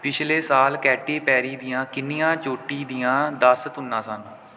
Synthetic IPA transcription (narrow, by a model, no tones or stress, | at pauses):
pɪt͡ʃʰleːsaːlkɛːʈiːpɛːɾiːd̪ijãːkɪniːãːt͡ʃoːʈiːd̪ijãːd̪aːsət̪ɦʊnːãːsən